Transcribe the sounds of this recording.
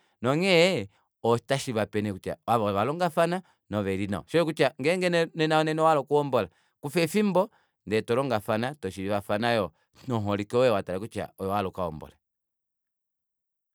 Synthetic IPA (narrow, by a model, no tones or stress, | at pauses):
nɔŋɛ | ɔ̥taʃiiβapɛnɛkut͡ʃa̰waβɔβalɔŋɡafana | nɔβɛɾina̰ɔ̰ʃɔɔk̬ut͡ʃaŋɡɛŋɡɛnɛnɛnaɔnɛnɔwalɔkuɔmbɔla | kufɛfimbɔ | ndɛtɔlɔŋɡafanatɔʃiɾiβafanajɔ | nɔɦɔlikɔwɛwatalakut͡ʃa̰ɔjɔwalɔkaɔ̰mbɔ̰la